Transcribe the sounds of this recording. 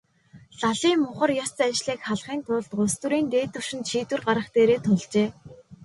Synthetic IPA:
ɮaɮiːmːʊχə̆rjɔt͡sat͡ɕɮiːkχaɮχiːnt̪ʰʊɮt̪ɢʊst̪ŭɾiːnt̪eːt̪ɵ̆w̥ʃɪ̆nt̪ʃiːt̪wɘ̆rɢaɾə̆χt̪eːɾeːt̪ʰʊɮt͡ɕeː

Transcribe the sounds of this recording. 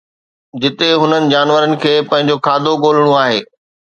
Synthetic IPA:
d͡ʑɪt̪eɦʊnənɪ̆d͡ʑaːnʋəɾənɪ̆kʰeːpɐ̃ɦɪ̃ɲ̆d͡ʑokʰaːd̪ʱoɠoːl̤əɽ̃ũaːɦeː

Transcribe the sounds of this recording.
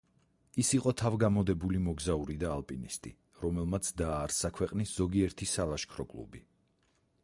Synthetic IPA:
isiqʼɔt̪ʰavɡamɔd̪ɛbulimɔɡzauɾid̪aːlˠpʼinist̪ʼḭ | ɾɔmɛlˠmat̪sʰd̪aːɾsakʰwɛqʼnisz̥ɔɡiɛɾt̪ʰisalˠaʃkʰɾɔkʼlˠṵbi

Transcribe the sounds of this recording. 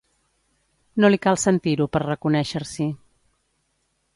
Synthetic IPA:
nolikalˠsənt̪iɾupərrəkunɛʃəɾsi

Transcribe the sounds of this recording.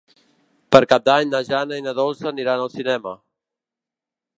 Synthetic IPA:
pəɾkap̚d̪aɲnəʒanəinəðɔlˠzəniɾanəlˠsinɛmə

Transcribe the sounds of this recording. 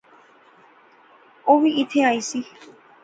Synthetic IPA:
owiʔit̪ʰeajsi

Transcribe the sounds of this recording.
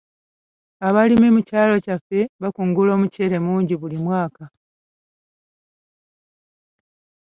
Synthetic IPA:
aβalimemucaːlo̞cafe̞βakuŋɡulo̞ːmuce̞ɾe̞muːɲɟiβulimwaːka

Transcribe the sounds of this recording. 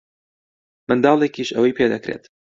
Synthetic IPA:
mɨnd̪ɑːlˠekiːʃɐ̰wɐjpʰeːd̪ɐkɾḛːt̪

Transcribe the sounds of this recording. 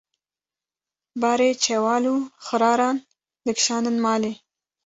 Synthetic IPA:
bɑɾet͡ʃewɑːluxəɾɑːɾɑn | d̪̥əkʃɑːnənmɑːle

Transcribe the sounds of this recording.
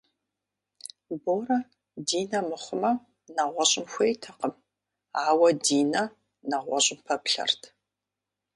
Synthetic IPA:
boːɾɐ | diːnɐmɨχʷʊmɐ | nɐʁʷɔɕʼɪmxʷejtʰɐqəm | aːwɐdiːnɐ | nɐʁʷɔɕʼɪmpʰɐpɬɐ̰rtʰ

